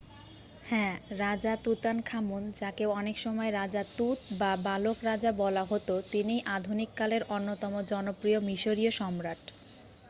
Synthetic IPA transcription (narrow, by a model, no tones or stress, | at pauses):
hɛ̃ɾad͡ʑat̪ut̪ankʰamund͡ʑakeoɔnekʃɔmɔeɾad͡ʑat̪ut̪babalokɾad͡ʑabɔlaɦot̪ot̪inijʔad̪ʱunikːaleɾonːot̪ɔmod͡ʑɔnopɾiomiʃoɾioʃɔmɾaʈ